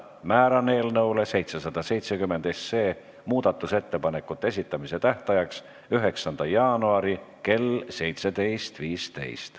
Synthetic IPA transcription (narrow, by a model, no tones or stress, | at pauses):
mæːɾɑne̞ːlnɤwle̞se̞jt̪se̞sɑd̪̥ɑse̞jt̪sekymːe̞nd̪̥e̞se̞ː | muːd̪̥ɑt̪ːˑuse̞t̪ːe̞pɑne̞kːut̪ːˑe̞s̬ʲit̪ːˑɑmise̞t̪æht̪ɑjɑks | yɦe̞ksɑnd̪̥ɑjɑːnuɑɾike̞lse̞jt̪se̞d̪̥e̞jst̪viːst̪e̞̰jst̪